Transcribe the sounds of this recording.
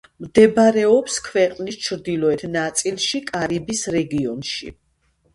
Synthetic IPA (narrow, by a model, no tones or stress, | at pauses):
md̪ɛbaɾɛɔpskʰvɛqʼnist͡ʃʰɾd̪ilˠɔɛt̪ʰnat̪sʼilˠʃikʼaɾibisɾɛɡiɔnʃḭ